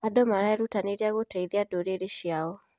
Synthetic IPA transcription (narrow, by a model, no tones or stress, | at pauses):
adɔmaɾaɛɾutaneɾeaɣotaiðeadoɾeɾeʃjaɔ